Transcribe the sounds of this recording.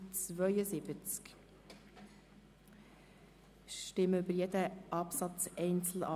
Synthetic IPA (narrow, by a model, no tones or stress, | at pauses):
t͡svœʏəsɪbət͡sk | ʃtɪməʏbəɾjɛdəʔɑpsɑt͡sɛɪnt͡sl̩ɑ̰